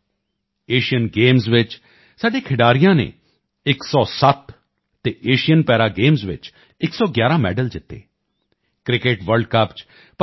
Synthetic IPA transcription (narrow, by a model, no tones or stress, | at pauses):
eːʃijənɡeːmzʋɪt͡ʃ | saːɖeːkʰɪɖaːɾijãːnḛː | ɪksɔːsət̪ | t̪eːʔeːʃijənpɛːɾaːɡeːmzʋɪ̰t͡ʃ | ɪksɔːɡjaːɾãːmɛ̰ːɖəld͡ʒɪt̪ːḛː | kɾɪkeʈʋəɾɖkəpt͡ʃ | p